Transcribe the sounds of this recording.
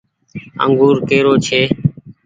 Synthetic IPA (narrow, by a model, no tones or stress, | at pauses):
ə̰ŋɡuːɾkeːɾoːt͡ʃʰeː